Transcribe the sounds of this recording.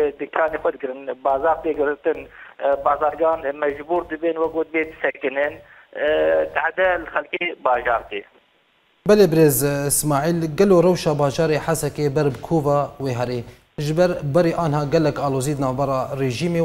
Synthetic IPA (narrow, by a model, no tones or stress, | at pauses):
d̪ɨkʰɑːneːxʷɐd̪̚ɡɨɾɨnbɑːzaːɾt̪eːɡɨɾt̪ɨnbɑːzaːɾɡɑːnmɛʒbuːɾd̪ɨbenwɐk̚oːd̪beːd̪ɨsɛkɨnɨn | t̪aħd̪ɛlxɛlkeːbɑːʒɑːɾt̪eː | bɛleːbɨɾeːzɪsmɑːʕiːlɡɛloːrawʃɑːbɑːʒɑːɾeːħasɛkeːbɛɾbɨkʰoːvɑːweːɦɛɾeː | ʒɨbɛɾbɛɾeːʔɑːnɦhɑːɡɛlɛkɑːloːziːd̪ɨnɑːvbɛɾɑːreːʒiːmeː